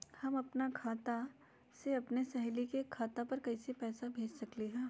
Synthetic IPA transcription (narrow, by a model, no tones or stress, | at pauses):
hɐmɐpnakʰaːt̪a | seɐpnesɐɦlikekʰaːt̪apɐɾkɐisepɛːsabʱeːd͡ʒsɐkliɦɛ̃ː